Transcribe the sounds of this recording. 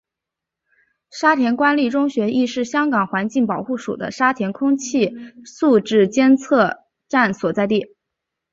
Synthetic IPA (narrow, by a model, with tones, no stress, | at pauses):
ʂa˥t̪ʰjɛ˧˥nkwa˥nli˥˩ʈ͡ʂʊ˥ŋɕɥɛ˧˥ʔi˥˧ʂɻ̩˥˩ɕjɑ˥ŋkɑ˨˩ŋxwa˧˥nt͡ɕi˥˩ŋpɑ˨˩ʊxu˥˩ʂṵ˨˩d̪ə̰˦ʂa˥t̪ʰjɛ˧˥nkʰʊ˥ŋt͡ɕʰi˥˩su˥˧ʈ͡ʂɻ̩˥˩t͡ɕjɛ˥nt͡sʰɤ˥˧ | ʈ͡ʂa˥˩nswɔ˨˩t͡sa˥˧ɪt̪i˥˩